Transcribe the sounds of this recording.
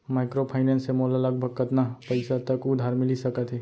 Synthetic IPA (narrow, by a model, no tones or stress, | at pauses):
maɪkɾopʰaɪnẽnsemolaləɡ̚bʱəɡ̚kət̪napəɪsat̪əkud̪ʱaɾmɪlisəkət̪ɦɛ